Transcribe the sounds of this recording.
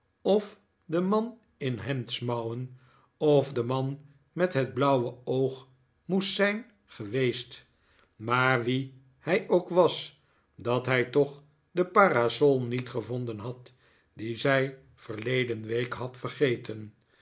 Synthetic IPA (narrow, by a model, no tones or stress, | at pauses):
ɔf | dəmɑn | ɪnɦɛmtsmɑwən | ɔfdəmɑn | mɛtɦəd̚blʌwəowχ | mustsɛjn | χəʋejst | maːɹʋi | hɛjowkʋɑs | dɑtɦɛjtɔχ | dəpaːrasɔlˠnitχəvɔndənɦɑt | dizɛj | v̥əɹlejdənʋejkɦɑtfəɹχejtən